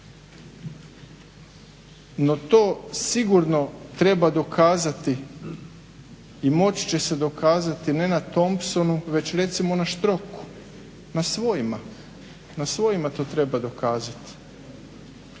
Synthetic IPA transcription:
no̞t̪o̞ːsiɡuɾno̞t̪ɾe̞bad̪o̞kʰaːzat̪i | mo̞t͡ɕi̥t͡ɕe̞se̞d̪o̞kaːzat̪ine̞nat̪o̞mpso̞nuʋe̞t͡ɕɾe̞t̪simo̞naʃt̪ɾo̞ku̥ | nasʋo̞jima | nasʋo̞jimat̪o̞ːt̪ɾe̞bad̪o̞kaːzat̪i̥

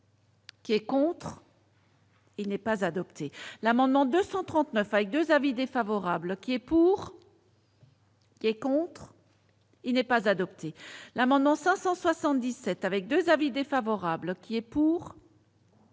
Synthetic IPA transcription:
kʲiɛkɔ̃t̪χ | ilnɛpazad̪ɔpt̪ʰelamɑ̃d̪mɑ̃d̪øsɑ̃t̪χɑ̃t̪nœfavɛk̚d̪øzavid̪efavɔʁablkʲiɛpuːʁ | kʲiɛkɔ̃t̪χ | ilnɛpazad̪ɔpt̪ʰelamɑ̃d̪mɑ̃sɛ̃sɑ̃swasɑ̃t̪̚d̪isɛt̪avɛk̚d̪øzavid̪efavɔʁablkʲiɛpuːʁ

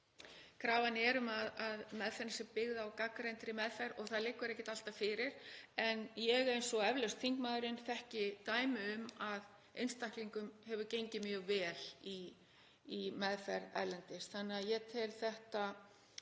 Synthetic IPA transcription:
kʰɾaːvanːɪɛɾʏmaðaðmɛðfɛɾnasɛpɪɣðaːwkakɾejnt̪ɾɪmɛðfɛɾɔɣθaðlɪkːʏɾɛhcːɪt̪al̥t̪afɪɾɪɾ̥ɛnjɛɣɛjnsɔɛvlœɥst̪fiŋkmaːðʏɾɪnθɛhcɪt̪aːjmɪʏmað | ejnst̪ahkliŋkʏmhɛvʏcejɲcɪmjœːɣvɛːli | imɛðfɛɾa̰jlɛnt̪ɪsθanːɛaðjɛt̪ʰɪlθɛht̪a

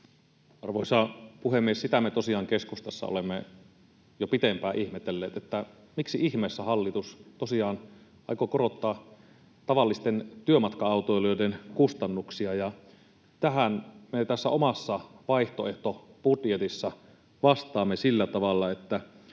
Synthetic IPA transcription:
ɑrʋoisɑːpuhemːiessit̪æmet̪osiɑːŋkeskust̪ɑsːɑ̰o̰lemːe | jopit̪empæːʔihmet̪elːḛːt̪et̪ːæ | miksiʔihmeːsːæhɑlːit̪ust̪osiɑːn | ɑikokoɾot̪ːɑː | t̪ɑʋɑlːist̪ent̪yømɑt̪kɑɑˑut̪ojlojdenkust̪ɑnːuksiɑjɑ | t̪æɦænmet̪æsːæomɑsːɑʋɑiht̪oeht̪ob̥udjet̪isːɑ | ʋɑst̪ˑɑːmːesilːæt̪ɑʋɑlːɑet̪ːæ

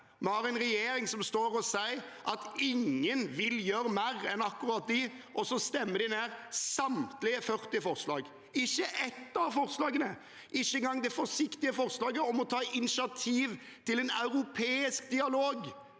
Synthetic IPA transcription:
mɛhɑɾɛnɾɛjeːɾɪŋsɔmst̪oːɾɔsæɪʔɑt̪ɪŋːənʋɪljøːɾəmæɾɛnɑkːʊɾɑt̪̚d̪ɪʔɔsɔst̪ɛmːəɾd̪ɪneːɾsɑmt̪lɪəfœɾt̪ɪfɔʁslɑ̰ːɡ | ɪçːəʔɛt̪ːɑʋfɔɾslɑːɡənə | ʔɪçːəŋɡɑŋd̪ɛfɔɾʂɪkt̪ɪəfɔɾslɑːɡəɔmɔt̪ʰɑːɪnɪʃɪɑt̪ʰiːʋ | t̪ɪlɛnɑʉɾʊpʰeːɪsk̚d̪ɪɑloːɡ

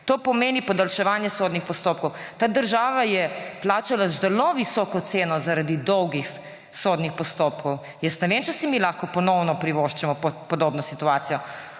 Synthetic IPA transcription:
t̪oːpɔmeːnipɔd̪alʃɛʋaːnjɛsoːd̪nixpɔst̪op̚kɔwt̪aːd̪əɾʒaːʋajɛplaːt͡ʃalazɛloʋisɔːkɔt̪seːnɔzaɾad̪id̪ɔwɡix | sod̪nixpɔst̪oːpkɔw | jɛst̪nɛʋeːmt͡ʃɛsimilaxkɔpɔnɔwnɔpɾiʋoʃt͡ʃɛmɔpɔpɔd̪oːbnɔsit̪uaːt̪sijɔ

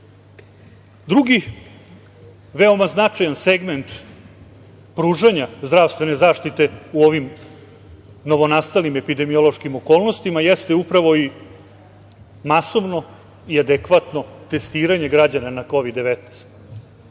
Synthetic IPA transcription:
d̪ɾuɡi | ʋeo̞maznat͡ʂajanseɡment̪ | pɾuːʐaɲazd̪ɾaʋst̪vʋe̞ne̞zaːʂt̪it̪e̞uo̞ʋim | no̞ʋo̞nast̪alnime̞pid̪e̞mio̞lˠoʃkimo̞ko̞ːlˠno̞st̪imajest̪eupɾaʋo̞i | maso̞ʋno̞ | iad̪ekʋat̪no̞t̪e̞st̪iːɾaɲe̞ɡɾad͡ʑananako̞ʋid̪ːeʋet̪nest̪

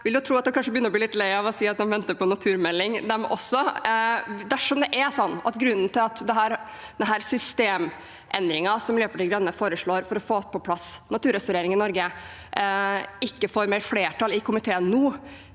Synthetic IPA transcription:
ʋɪljʊt̪ʰɾuːɑt̪d̪ɛmkɑnʂəbəjʏnːɾɔblilɪt̪lɛɪɑʋɔsiːɑt̪̚d̪ɛmʋɛnt̪əpɔnɑt̪ʰʉːɾmɛlːɪŋd̪ɛmɔ̰sːɔ | d̪æʂɔmd̪ɛʔæsɔnːɑ̰t̪ɡɾʉnːn̩t̪ɪlɑt̪d̪ɛɦæːɾd̪ɛnɦæːɾsʏst̪eːm | ʔɛ̰nd̪ɾɪŋɑsɔmløːpəɖɪɡɾɑnːəfoːɾəʂɭoːɾfɔɾɔfoːt̪̚pɔpʰlɑsnɑt̪ʰʉːɾɛst̪ʊɾeːɾɪŋɪnɔɾɡə | ɪkːəfoːɾmɛlfleːʈʰɑlɪkʰʊmɪt̪ʰeːənːuː

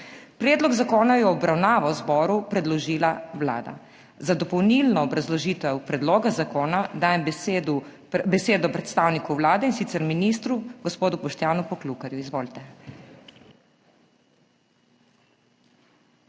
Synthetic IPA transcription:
pɾɛːd̪lɔɡzakoːnajɛːbɾawnaːʋɔwzbɔːɾupɾɛd̪lɔʒiːlawla̰ːd̪a̰ | zad̪ɔpɔwnilnɔːbɾazlɔʒiːt̪ʋɛwpɾɛd̪loːɡazakoːnad̪aːjɛmbed̪u | bɛseːd̪ɔpɾɛt̪st̪aːwnikɔwwlaːd̪ɛinsit̪sɛɾminist̪ɾuɡɔspoːd̪upɔʃt̪jaːnupɔklukaɾjuizʋoːlt̪ɛ

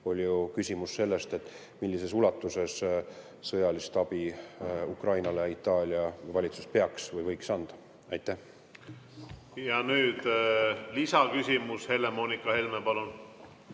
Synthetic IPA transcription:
o̞lʲjukysʲimusːe̞lːe̞st̪e̞t̪ːˑ | milʲːise̞sulɑt̪ːˑuse̞s | sɤjɑlist̪ɑb̥iukrɑjnɑleit̪ːˑɑːlʲiɑvɑlʲit̪su̥spe̞ɑksvɤjvɤjksɑnd̪̥ɑ̥ | ɑjt̪ːˑæh | jɑnyːd̪lisɑkysʲimushe̞lːemoːnikːˑɑhelmepɑlun

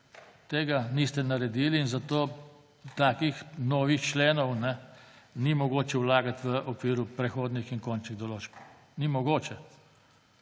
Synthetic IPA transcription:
t̪eːɡanist̪ɛnaɾɛd̪iːliːnzat̪oː | t̪aːkixnɔːʋixt͡ʃleːnɔwnɛnimɔɡoːt͡ʃɛwlaːɡat̪ʋəʔɔkʋiːɾupɾɛxoːd̪nixiŋkoːnt͡ʃniɣd̪ɔloːt͡ʃp | nimɔɡoːt͡ʃɛ

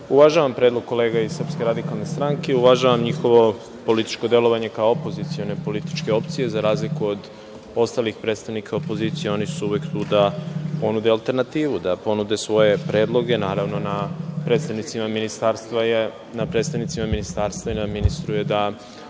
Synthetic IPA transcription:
uʋaʒaʋampɾed̪lˠo̞ɡ̚kːo̞le̞ːɡaisr̩pske̞ɾad̪ikalˠne̞st̪ɾaŋke̞uʋaʒaʋamɲixo̞ʋo̞ | po̞lit̪i̥t͡ʃkod̪e̞lo̞ʋaɲe̞kaoopo̞zit̪sio̞ne̞po̞lit̪i̥t͡ʃke̞o̞pt̪sije̞zaɾaːzlikuod̪ | o̞st̪alixpɾe̞d̪t̪st̪aʋnikʰaopo̞zit̪sijeo̞nisuuʋekt̪uːd̪apo̞nud̪ealˠt̪e̞ɾnat̪iːʋud̪apo̞nud̪esʋo̞je̞pɾe̞ːd̪lˠo̞ɡe̞naːɾaʋno̞napɾed̪st̪aʋnit̪simaminist̪aɾst̪ʋa | napɾed̪st̪anit̪simaminist̪aɾst̪vainad̪minist̪ɾujed̪a

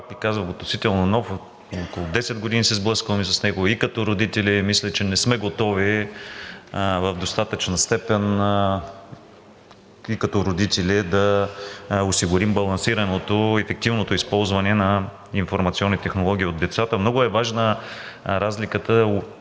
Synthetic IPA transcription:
pakvikazvəot̪nosit̪ɛlˠnonɔf | okolˠod̪ɛsɛd̪̚ɡod̪inisɛzblˠɤskəlmisɐsnɛɡoikɐt̪ɔɾod̪it̪ɛlʲimislʲɛt͡ʃɛnɛsmɛɡot̪ɔvi | vɐvd̪ost̪at̪ət͡ʃnəst̪ɛpɛn | ikɐt̪ɔɾod̪it̪ɛlid̪ɐ | osiɡʊɾimbɐlˠɐnsiɾɐnot̪oɛfɛk̚t̪ivnot̪oispɔlˠzvɐnɛnɐ | infoɾmɐt̪siɔnːit̪ɛxnolˠɔɡʲiːod̪ːɛt̪sat̪əmnɔɡʊɛvaʒnə | ɾazlikət̪ə

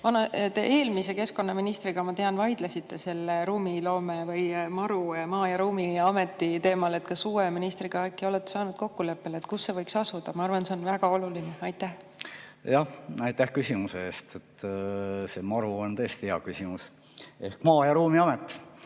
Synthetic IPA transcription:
vɑnɑt̪eʔe̞ːlmise̞ke̞sko̞nːɑminist̪riɡ̥ɑmɑt̪e̞ɑnvɑjd̪̥lesit̪ːe̞se̞lːeɾuːmilo̞ːmevɤjmɑɾumɑːjɑɾuːmiɑme̞t̪ːˑit̪e̞ːmɑlet̪ːˑkɑsuːweminist̪riɡ̥ɑækːio̞let̪ːˑe̥sɑːnud̪̥ko̞kːule̞pːe̞let̪̚kusːe̞vɤjksɑsud̪̥ɑmɑɑrvɑnse̞o̞nvæɡ̥ɑo̞lulineɑjt̪ːæh | jɑhɑjt̪ːæhkysʲimuseeːst̪et̪ː | semɑɾuont̪ɤːst̪iheɑ̰kysimus | ehkmɑːjɑɾuːmiɑmet̪ːˑ

